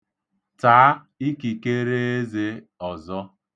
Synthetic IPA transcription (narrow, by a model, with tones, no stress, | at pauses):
taː˨˦ | i˦ki˨ke˦ɾe˦e˦ze˦ | ɔ˨zɔ˦